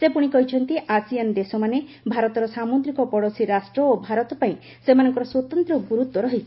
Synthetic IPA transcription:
sepuɽ̃ikɔɦit͡ʃʰɔnt̪iʔasiand̪esɔmane | bʱaɾɔt̪ɔɾɔsamud̪ɾikɔpɔɽɔsʰiɾasʈɾɔobʱaɾɔt̪ɔpaĩ | semanɔŋkɔɾɔswɔt̪ɔnt̪ɾɔɡuɾut̪wɔɾɔɦit͡ʃʰi̥

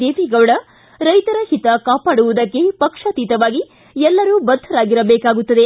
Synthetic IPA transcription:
eːʋiɡɐʋɽɐ | ɾɐjt̪ɐɾɐhit̪ɐkaːpaːɽuʋud̪ɐkːe̞pɐkʂɐt̪iːt̪ɐʋaːɡi | ɛlːɐɾuːbɐd̪ʱːɐɾaːɡiɾɐbeːkaːɡut̪ːɐd̪e̞

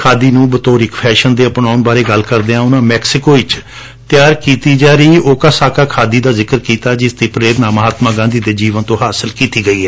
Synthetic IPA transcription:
kʰaːd̪iːnũːbət̪oːɾɪkpʰɛːʃənd̪eːəpnaːʊnbaːɾeːɡəlkəɾd̪eːãːʊnãːmɛːksɪkoːɪt͡ʃ | t̪ɪjaːɾkiːt̪iːd͡ʒaːɾiːoːkaːsaːkaːkʰaːd̪iːd̪aːzɪkəɾkiːt̪aːd͡ʒɪst̪iːpɾeːɾnaːməɦaːt̪mãːɡãːnd̪iːd̪eːd͡ʒiːʋənt̪õːɦaːsəlkiːt̪iːɡəiːɛː

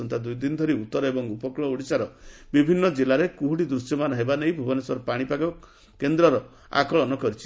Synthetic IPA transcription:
ɔnt̪ad̪ujd̪inɔd̪ʱɔɾiut̪ːɔɾɔebɔŋupɔkɭɔuɽisaɾɔbibʱinːɔd͡ʒelaɾekuɦuɽid̪ɾusjɔmanaɦebanejbʱubɔnesɔɾɔpaɽ̃ipakɔ | kend̪ɾɔɾɔ | a̰kɔɭɔnɔkɔɾit͡ʃʰi̥

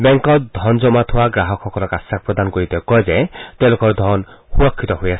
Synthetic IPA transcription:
bɛŋkɔd̪ʱɔnd͡ʒɔmat̪ʰuwaɡɾaɦɔkʰɔkɔlɔkasak̚pɾɔd̪anɔkoɹit̪ekɔjd͡ʒet̪ẽlokɔɾd̪ʱɔnxuɾɔkʰːit̪ɔɦujasʰ

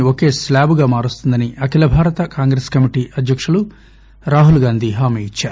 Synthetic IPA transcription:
oke̞ːslaːbuɡaːmaːɾust̪und̪ɐniʔɐkilɐbʱaːɾɐt̪ɐkaːŋɡɾeskɐmiʈiːʔɐd̪ʱjɐkʂulu | ɾaːɦulɡaːnd̪ʱiːɦaːmiːit͡ʃːaːɾu

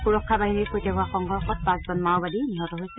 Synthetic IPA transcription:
xuɹɔkʰːabaɦiniɹkojtɛɦʊwaxɔŋɡʱɔɹxɔt̚pãszɔnmawbadiniɦɔtɔɦojsɛ

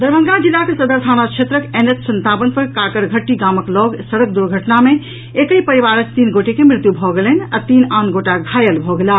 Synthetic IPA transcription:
d̪əɾbʱə̃ŋɡad͡ʒilːakesəd̪əɾt̪ʰanakt͡ʃʰet̪ɾəkenetsənt̪abənpəɾkakəɾɡʱəʈːiɡaməklɔɡsəɽək̚d̪uɾɡʱəʈname | ekəjpəɾiβaɾət͡ʃt̪inɡoʈekemɾɪt̪jubʱɔɡeləna̰t̪inanɡoʈaɡʱajəlbʱɔɡela

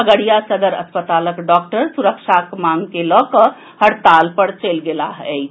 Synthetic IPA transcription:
əɡəɽijasəd̪əɾə̰spət̪aləkɖɔk̚ʈəɾsuɾəkt͡ʃʰakmaŋɡkelɔkə | həɽt̪alpəɾt͡ʃelɡelaɦ

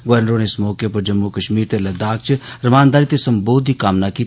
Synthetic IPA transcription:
ɡɛːnɾoːneːɪsmɔːkjepɐɾd͡ʒəmːukəʃmiːɾt̪elɐd̪aːk̚t͡ʃɾɐmaːnd̪aːɾit̪esɐmboːd̪ʱikaːmnakiː

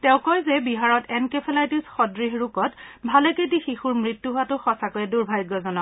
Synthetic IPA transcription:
tɛʊ̃kɔjzɛbiɦaɹɔtɛnkepʰɛlajtisxɔdɹiɦɹukɔtbʱaleket̬ixixuɹmɹitːuɦʊwatʊxɔsakojɛduɹbʱajɡːɔzɔnɔ

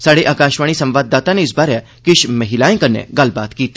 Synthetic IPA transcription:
saːɽeʔaːkãːʃʋaːɽ̃isɐ̃mʋaːd̪ːaːt̪aneɪsbaːɾɛ | kɪʃmɐɦɪlaːẽkɐnḛɡɐlbaːt̪kiːt̪i̥

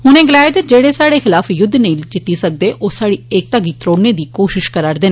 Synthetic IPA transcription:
ɦʊnẽːɡɪlaːjɪd̪əd͡ʒeːɽeːsaːɽeːxɪlaːfjʊd̪ʱːnəĩd͡ʒɪt̪ːiːsək̚d̪eːʔʔoːsaːɽiːeːk̚t̪aɡiːt̪ɾoːɽneːd̪iːkoːʃɪʃkəɾaːɾd̪eːnː

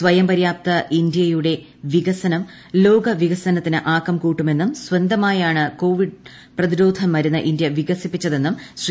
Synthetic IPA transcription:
sʋɐjɐmpɐɾjaːp̚t̪ɐʔind̪jɐjuɽe̞ | ʋiɡɐsɐnɐm | lo̞ːɡɐʋiɣɐsɐnɐt̪ːinɨʔaːkːɐmkuːʈːume̞nːumswɐnd̪ɐmaːjaːɳɨko̞ːʋiɖ | prɐðiɾo̞ːd̪ʱɐmːɐɾunːɐʔind̪jɐʋiɡɐsipːit͡ɕːɐðe̞nːumɕr

